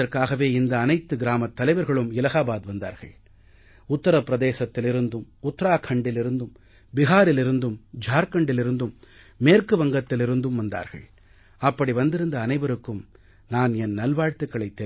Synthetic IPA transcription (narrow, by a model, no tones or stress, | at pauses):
ɐɾkaːɣɐʋeːɪnd̪ɐːnɐɪt̪ːɯɡɪɾaːmɐt̪ːɐlɐɪʋɐɾɣɐɭɯmɪlɐɣaːbaːd̪ʋɐnd̪a̰ːɾɣɐ̰ɭ | ʊt̪ːɐɾɐpːɪɾɐðeːsɐt̪ːɪlɪɾɯnd̪ɯmʊt̪ːɐɾaːkʰɐɳɖɪlɪɾɯnd̪ɯm | bɪɣaːɾɪlɪɾɯnd̪ɯmd͡ʒʱaːɾkɐɳɖɪlɪɾɯnd̪ɯmː | eːɾkɯʋɐŋɡɐt̪ːɪlɪɾɯnd̪ɯmʋɐnd̪a̰ːɾɣɐ̰ɭ | ɐpːɐɽiʋɐnd̪ɪɾɯnd̪ɐːnɐɪʋɐɾɯkːɯm | naːnɛnnɐlʋaːɻt̪ɯkːɐɭɐɪt̪ːɛ